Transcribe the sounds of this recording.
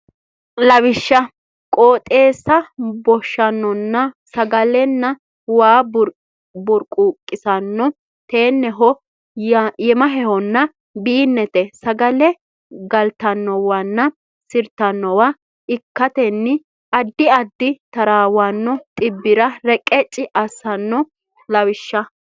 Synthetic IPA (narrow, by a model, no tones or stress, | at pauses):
lɐwɪʃːɐ | kʼoːt̪ʼe̞ːsːɐbɔʃːɐnːɔnːɐsɐɡɐlɛnːɐ | waːɾ | bɔɾkʼːuːkʼːɪsɐnːɔ | t̪eːnːɛɦɔ | jɛmɐɦɛhɔnːɐ | biːnːɛt̪ɛsɐɡɐlɛ | ɡɐlt̪ɐnːɔwɐnːɐ | sɪɾt̪ɐnːɔwa | ɪkːɐt̪ɛnːɪ | ɐd̪ːɪɐd̪ːɪt̪ɐɾaːwanːɔt̪ʼɪbːɪɾɐɾɛkʼɛt͡ʃʼːɪʔɐsɐnːɔ | lɐwɪʃːɐ